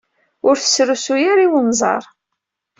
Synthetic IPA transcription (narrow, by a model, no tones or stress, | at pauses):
ʊɾθə̥sːɾusujaɾiwənzˤɑ̰ɾˤ